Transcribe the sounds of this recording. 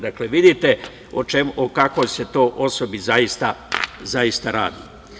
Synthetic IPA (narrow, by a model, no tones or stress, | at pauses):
d̪akleʋid̪it̪e | ot͡ʃemokako̞jse̞t̪o̞ːʔo̞so̞bizajist̪azaist̪aɾa̰ːd̪i